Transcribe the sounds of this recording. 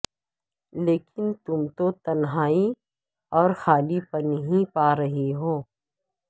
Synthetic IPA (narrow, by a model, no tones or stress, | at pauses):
leːkɪnt̪ʊmt̪ot̪ɐnɦaːi | ɔːɾxaːlipɐɾnɐɦĩpaːɾɐɦiɦoː